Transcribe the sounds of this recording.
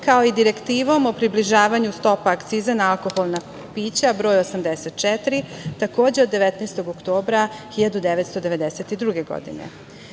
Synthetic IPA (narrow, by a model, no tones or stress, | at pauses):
kao̞id̪iɾekt̪iːʋo̞mo̞pɾibliʒaːʋaɲust̪o̞paːkt̪siːzanaalˠko̞xolˠna | piːt͡ɕabɾo̞ːjosamd̪eset̪̚t͡ʃɛt̪ɾit̪ako̞ːd͡ʑeo̞d̪ːeʋet̪nest̪o̞ɡokt̪o̞ːbɾaxiʎad̪ud̪eʋet̪st̪o̞d̪eʋe̞d̪eset̪id̪ɾuɡe̞ɡo̰d̪ḭnḛ